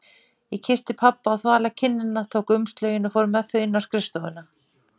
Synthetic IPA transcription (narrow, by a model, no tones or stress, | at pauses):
jɛcʰɪst̪ɪpʰapːaːwθvaːlacʰɪnːɪnːat̪ʰoːwkʏmst̪lœːɥjɪnɔfoːwɾʏmɛθœɪnːawskɾɪst̪oːwɪnːa